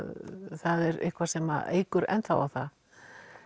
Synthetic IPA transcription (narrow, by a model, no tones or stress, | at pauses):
θaðɛɾɪ̰hkʰvḁsɛma̰ḛːjkʏɾɛ̰nt̪θa̰wa̰wθað